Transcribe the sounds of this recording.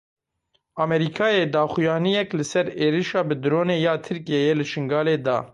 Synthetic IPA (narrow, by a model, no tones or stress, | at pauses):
ɑːmɛɾikʰɑːjeːd̪ɑːxujɑːnijɛklɨsɛɾeːɾiʃɑːbɨd̪ɾoːneːjɑːt̪ʰɨɾkijejeːlɨʃɨŋɡɑːleːd̪ɑ̰ː